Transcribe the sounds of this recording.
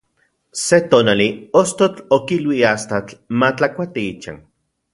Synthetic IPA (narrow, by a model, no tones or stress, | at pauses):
set̪oːnaliost̪ot͡ɬokilwiast̪at͡ɬmat͡ɬakʷat̪iit͡ʃa̰n